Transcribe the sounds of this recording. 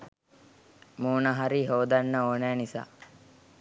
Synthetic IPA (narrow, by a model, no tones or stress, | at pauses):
muːnaɦaɾiɦoːd̪anːəoːnæːnisa̰ː